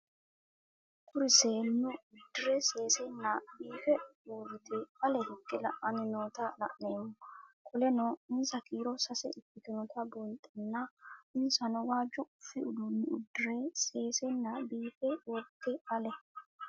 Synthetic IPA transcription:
kʊɾɪseːnːʊʊd̪ːɪɾɛse̞ːsɛnːɐbiːfɛuːɾɪt̪ɛɐlɛhɪkʼːɪlɐʔɐnɪnoːt̪ɐlɐ̰ʔneːmʊkʰʼɔlɛnɔɪnsɐkiːɾɔsɐsɛɪkːɪk̪ɪnɔt̪ʰɐbɔjt̪ʼːɐnːɐɪnsɐnʊwaːd͡ʒɔʊfːɪʊd̪ʊnːɪʊd̪ːɪɾeseːsɛnːɐbiːfɛwɔd̪ːɛɐlɛ

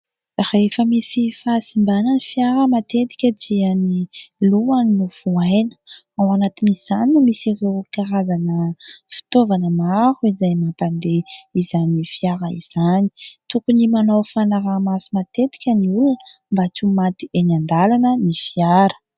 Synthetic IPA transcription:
refəmisifasimbanənifjaɾəmat̪et̪i̥kʲəd͡ʒianiluannuv̥uajnə̥ | awanat̪iniz̥aniumisirewkaɾazanəfi̥t̪ovanəmahuizajmapand̪eizanifiaɾəḭz̥ani̥t̪ukunimanawfanaɾamasimat̪et̪i̥kʲəniulunəmbat͡sumat̪ienand̪alanənifijaɾə̥

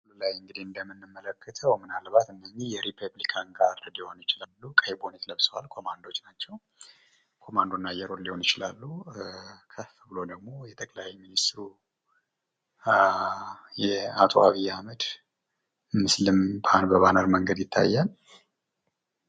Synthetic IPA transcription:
ululajɨŋɡɨd̪iɨnd̪əmɨnːɨmːələkːət̪ʰəwmɨnalbat̪ɨnːəɲːihjɛɾipʰəblikʰanɡaɾljiho̞njɪt͡ʃɪlalːukʼəhebo̞net̪ləbsəwalkʰo̞mand̪o̞t͡ʃːnat͡ʃːɛw | kʰo̞mand̪onːajɛɾo̞lliho̞njɪt͡ʃɪla̰lːu | kʰəffbɨlo̞d̪əɡ̚mo̞jɛt̪ʼəkʼlajminist̪ɾu | jɛat̪ʰʼo̰aβijːaməd̪ | mɨslɨmbʰanbəβanəɾməŋɡəd̪jɪt̪ʰːa̰jːal

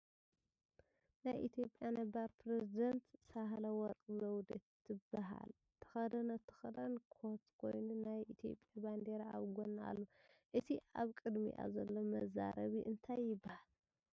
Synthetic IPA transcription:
najʔit̪ʰijo̞pʼjanɐbaɾpʰɾezid̪ɐnt̪saɦalɐwɔɾkʼzɐwd̪et̪ʰːɨbːaɦa̰l | t̪ʰɐ̥xɐd̪ɐnɐt̪ʰɐ̥xɐd̪ɐnkʰot̪kʰo̞̰jnunajit̪ʰijo̞̰pʼjaband̪eɾaa̰βɡonːa̰lːoʔɨt̪ʰiʔaβkʼɨd̪mḭʔa̰zɐlːo̞mɐza̰ɾɐβiʔɨnt̪ʰajːɪbːahal

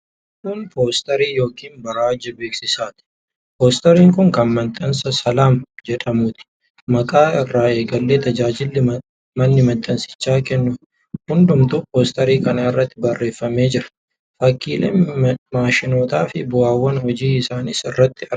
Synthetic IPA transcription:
hʊt̪uːnpoːst̪ɐɾiːjo̞ːkiːnbɐɾaːd͡ʒɐbeːksɪsaːt̪ɪ̥ | poːst̪ɐɾiːŋkʊŋkɐnmɐnt̪ʼːɐnsɐsɐlaːmd͡ʒɛᶑɐmʊt̪ɪ̥ | mɐkʼaːɪrːaːe̞ːɡɐlːeːt̪ʰɐd͡ʒaːd͡ʒɪlː | mɐnːɪmɐnt̪ʼːɐnsɪ̥t͡ʃːaːkɛnːʊ | hʊnd̪ʊmt̪upoːst̪ɐɾiːkɐnɐɪrːɐt̪ːɪbɐrːe̞ːfːɐme̞ːd͡ʒɪɾɐ̥ | fɐkːiːlɐ̰maːʃɪno̞ːt̪aːfɪbʊaːwːɐnhɔd͡ʒiːɪsaːnɪsɪrːɐt̪ːɪɐ

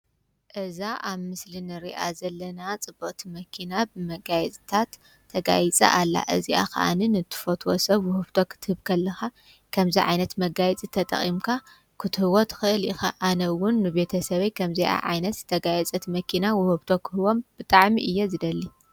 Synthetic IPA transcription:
ʔɨzaʔaβmɨslinɨɾiʔa̰zɐlːɐnat͡sʼɨboʔʼt̪ʰimɐkʰinabɨmɐɡajt͡sʼt̪ʰat̪ʰː | ɐɡa̰jit͡sʼɐ̰ʔalːa̰ʔɨziʔa̰xɐ̰ʔa̰nɨnɨt̪ʰːɨ̥fot̪ʰʼwosɐβwʊhɨβt̪ʰokʰɨ̥t̪ʰɨhɨβkʰɐlːɐxa | kʰɐmziʕa̰jnɐt̪mɐɡajt͡sʼit̪ʰɐt̪ʼɐ̰χʼimkʰa | kʰɨt̪ʰɨhɨwot̪ʰɨ̥xɨɨlixa̰ʔanɐwʊnːɨbe̞t̪ʰɐsɐβɐjkʰɐmzɐjʔa̰ʕa̰jnɐt̪zɨt̪ʰɐɡajɛt͡sʼɐt̪ʰmɐkʰinawʊhɨβt̪ʰo̞kʰɨhɨwo̞mb̥ɨt̪ʼaʕmiʔɨjːezɨd̪ɐlːi

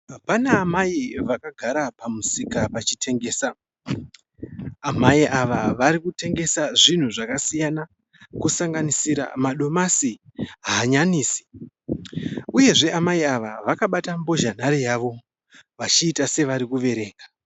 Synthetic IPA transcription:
apanaːmaiʋakaɡʱaɾapamusikapat͡ʃitʰe̞ŋɡe̞ːsa | maiʔaʋaʋaɾikute̞ŋɡe̞saʐin̤uʐakasijana | kusaŋɡanisiɾa̰maɗo̞masiɦaːɲaniːsi̥ | uje̞ʐe̞amaiaʋa̰ʋakaɓatambo̞ʒan̤aɾijaʋo̞ | ʋat͡ʃiːtase̞ʋaɾikuʋe̞ɾe̞ːɡa

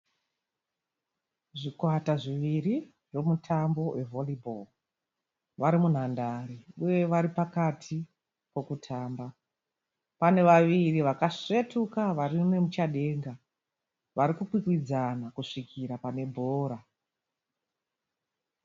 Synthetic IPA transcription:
ʐikwataʐiʋiri | ro̞mutʰambo̞we̞vo̞libʱol | ʋaɾimun̤andariuje̞ʋaɾipakatʰi | ko̞kutʰaːmba | pane̞ʋaʋiriʋakaʂe̞tukaʋarimemut͡ʃaɗe̞ːŋɡa | ʋaɾikukwikwid͡zanakuʂikʰiɾapane̞bʱo̞ːɾa

